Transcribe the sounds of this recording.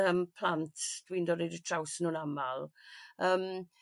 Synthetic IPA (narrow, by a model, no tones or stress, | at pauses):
əmpʰlˠantʰd̥windɔɾɛjdətʰrawsənuːnamalˠəːm